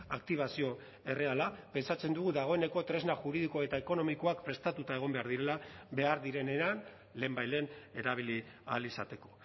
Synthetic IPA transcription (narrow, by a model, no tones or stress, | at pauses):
ak̚t̪iβ̞asio̞ | e̞re̞alape̞nsat͡se̞nd̪uɣuðaɣ̞o̞e̞ne̞ko̞t̪ɾe̞znaʝuɾiðikoaet̪ae̞ko̞no̞miko̞akpɾe̞st̪at̪ut̪ae̞ɣ̞o̞mbe̞aɾðiɾe̞labe̞aɾðiɾe̞ne̞an | le̞ːmbajle̞ːne̞ɾaβ̞ili | a̰lisat̪e̞ko̞̥